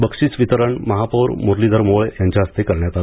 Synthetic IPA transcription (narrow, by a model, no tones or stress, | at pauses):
bəkʂiːt͡sʋit̪əɾəɳməɦapəɾmoɾlid̪ʱəɾmoɭjãɲt͡ɕaəst̪ekəɾɳjat̪a